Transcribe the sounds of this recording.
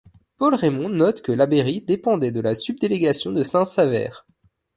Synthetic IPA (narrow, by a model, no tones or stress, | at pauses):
pɔlʁemɔ̃nɔt̪kəlabeʁid̪epɑ̃d̪ɛd̪əlasyb̚d̪eleɡʲasjɔ̃d̪əsɛ̃savɛ̰ːʁ